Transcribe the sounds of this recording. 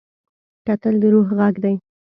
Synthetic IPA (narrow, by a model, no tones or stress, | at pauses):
kat̪əld̪əɾoɦɣaɡd̪aj